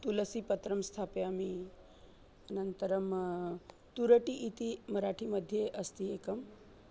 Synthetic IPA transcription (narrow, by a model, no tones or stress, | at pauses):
t̪uləsipət̪ɾəmst̪ʰapeami | ənənt̪əɾəm | t̪uɾəʈiʔːt̪iməɾaʈʰiməd̪ʱːjeʔəst̪iekəm